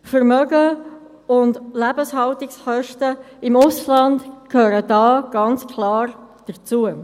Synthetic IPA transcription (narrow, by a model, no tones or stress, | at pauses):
fəɾmœɡə | ʊndlæbəshɑltɪksχœʃtə | ɪmʊslɑndkʰøːɾəd̥ɑːɡ̥ɑnt͡skʰlɑːrd̥ət͡suə